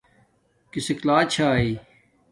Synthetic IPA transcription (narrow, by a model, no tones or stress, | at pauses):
kisɪklaːt͡ɕʰaːiː